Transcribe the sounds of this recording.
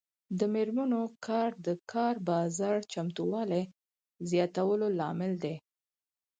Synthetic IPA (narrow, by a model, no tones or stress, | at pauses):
d̪əmeɾmənokʰɑɾd̪əkʰɑɾbɑzɑɽt͡ʃamt̪uwɑle | zjɑt̪awəlolɑmɪld̪e